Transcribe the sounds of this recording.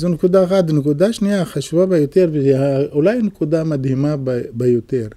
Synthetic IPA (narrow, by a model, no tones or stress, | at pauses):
zonekud̪aexat̪nekud̪aʃnijaχaʃuvabejot̪eʁveaulajnekud̪amad̪himabbejot̪eʁ